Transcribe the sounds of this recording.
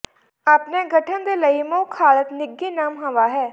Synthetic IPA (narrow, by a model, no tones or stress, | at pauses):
aːpneːɡəʈʰənd̪eːləimoːkʰaːlət̪nɪɡːiːnaːmɦə̃ʋaːɦɛː